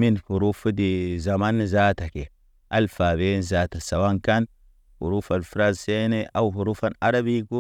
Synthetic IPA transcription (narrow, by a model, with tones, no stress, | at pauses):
mi˦nfu˨ɾu˦fu˦di˨za˨ma˦nː˨za˦ta˨ke˨ | ʔa˦lfa˨be˦nza˦ta˨sa˨wa˦ŋka˦n | fṵ˨ɾu˦fa˨nfu˦ɾa˦zse˦ne˦ʔa˦whu˨ɾu˦fa˦na˦ɾa˦bi˦ku˦